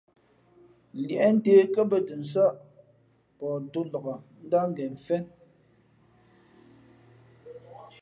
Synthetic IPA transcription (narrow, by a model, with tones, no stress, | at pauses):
ljɛ˦n̩˦teː˦kə˦bə˦tə˨n̩˨s̬ə˦ʔ | pɔː˨du˦lə˨ɣə˨n̩˦da˦ŋ˦ɡɛ˨ɱ̩˨fɛ˦n